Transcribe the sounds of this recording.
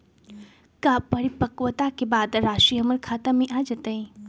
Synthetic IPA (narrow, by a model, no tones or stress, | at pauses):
kapəɾipəkʋət̪akebaːd̪ɾaːʃiɦɐməɾkʰaːt̪amĩʔad͡ʒɐt̪əĩ